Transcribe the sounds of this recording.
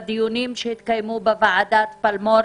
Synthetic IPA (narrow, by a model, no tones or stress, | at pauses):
d̪ijunimʃehit̪kajmubevaʕad̪at̪palmo